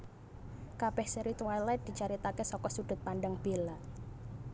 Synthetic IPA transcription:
kab̥ɛhsəɾit̪wajlɛt̪̚d̪̥i̤t͡ʃaɾit̪akesɔkɔsuɖ̪̥ʊ̤t̪̚paɳɖaŋb̥ela

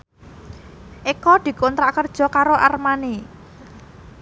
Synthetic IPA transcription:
ʔekɔd̪̥i̤kɔnt̪ɾaʔkərd̥ʒ̥ɔ̤kaɾoʔarmane

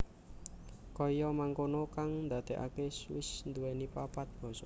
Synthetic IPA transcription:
kɔjɔmaŋkonokaŋnd̪a̤d̪̥e̤ʔa̰keswɪsnd̪uwɛnipapat̪̚b̥ɔ̤sɔ

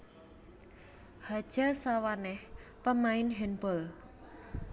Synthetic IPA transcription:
had̥ʒ̥a̤sawanɛhpəmaɪnɦɛnbɔl

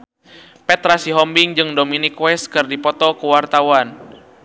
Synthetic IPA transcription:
pɛt̪ɾasiɦɔmbiŋd͡ʒɨŋdominikwɛskɨrdipɔt̪ɔkuwart̪awan

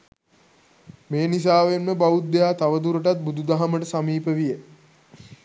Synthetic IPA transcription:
meːnis̬aːʋenməbaud̪ejaːt̪aʋəd̪uɾəʈ̬at̪̚bud̪ud̪aɦaməʈəsamiːpəʋijə

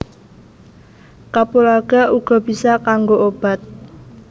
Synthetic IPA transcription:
kapulaɡ̥a̤ʔuɡ̥ɔ̤b̥isakaŋɡoob̥a̤t̪̚

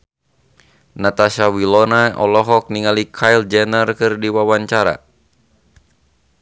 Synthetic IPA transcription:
nat̪asawilɔnaɔ̰lɔɦɔk̚niŋalikʰajld͡ʒɛnərkɨrdiwawaɲt͡ʃaɾa̰

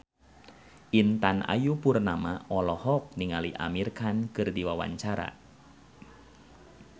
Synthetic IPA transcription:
ʔint̪anʔa̰jupurnamaɔlɔhɔk̚niŋaliʔa̰mirkankɨrdiwawa̰ɲt͡ʃaɾa̰

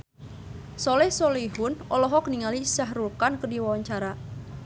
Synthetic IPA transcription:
sɔlɛhsɔleɦʊnʔɔlɔɦɔkəniŋalisaɦrulkankədiwawaɲt͡ʃaɾa

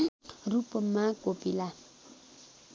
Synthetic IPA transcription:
rupəmakopila

